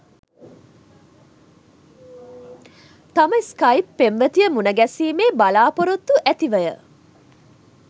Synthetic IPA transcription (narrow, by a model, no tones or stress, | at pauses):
t̪amajskajpːemʋət̪ijəmunəɡɛsiːmeːbalaːpoɾot̪ːuʔæt̪iʋəjə̰